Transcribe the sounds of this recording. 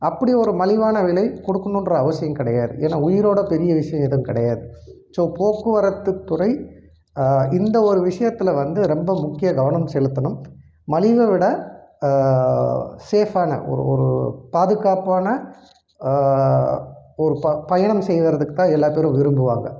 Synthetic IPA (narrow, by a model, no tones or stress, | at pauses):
ɐpːɐɽiɔɾɯmɐlɪʋaːnɐʋɪɭɐɪkɔɽɯkːɐɳʊnrɐːʋɐsɪjɐmkɪɽɐjaːðɯ̰ʔḛːnːaːʊjɪɾoːɽɐpɛɾɪjɐʋɪʂɐjɐ̃ɛðɯmkɪɽɐjaːðɯ | soːpoːkːɯʋɐɾɐt̪ːɯt̪ːʊrɐɪ | ɪnd̪ɐɔɾɯʋɪʂɐjɐt̪ːɪlɐʋɐnd̪ɯɾɛmbɐmʊkːɪjɐɡɐʋɐɳɐmsɛlɯt̪ːɐɳɯmː | ɐlɪʋɐʋɪɽɐ | seːfaːnɐ̰ʔɔ̰ɾɯ̰ɔ̰ɾɯ̰paːðɯɣaːpaːnɐ | ɔɾɯppɐjɐɳɐmsɛjðɐɾɐðɯkːɯt̪ːãːɛlːaːpeːɾɯ̃mʋɪɾɯmbɯʋa̰ːŋɡɐ̰